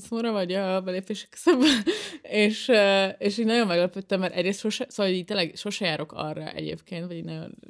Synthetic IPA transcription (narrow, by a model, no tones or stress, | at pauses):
soɾɒvɒɟɒbɛleːpeːʃɛ̥kːø̥z̥øbbɛeːʃøeːʃiːnɒɟo̞mmɛɡlɛpøt̪ːɛmːɛɾʔɛ̰ɟreːst̪ʃoʃɛsoːʋɒloiːct̪eːlɛɡʃo̞ʃɛjaːɾo̞kɒ̰rːɒ̰ʔɛ̰ɟḛːpkeːnt̪ʋɒɟiɟnɒɟo̞̰n